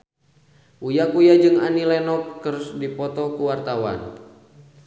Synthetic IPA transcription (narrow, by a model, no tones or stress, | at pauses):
ʔujakujad͡ʒɨŋanilɛnɔp̚kəɾʊsdipɔt̪ɔkuwart̪awa̰n